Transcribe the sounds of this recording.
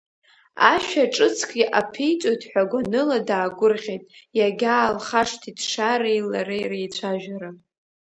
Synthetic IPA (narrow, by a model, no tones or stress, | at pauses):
a̰ʃᶣaʈ͡ʂʼɨt͡sʰkʼiʔapʰijt͡ʃʷʼojtʼħʷᶣaɡʷanɨladaːɡʷʊrʁʲejtʼjaɡʲaːlχaʂtʰidʂaɾejlaɾejrejt͡ɕʷʰaʒᶣaɾa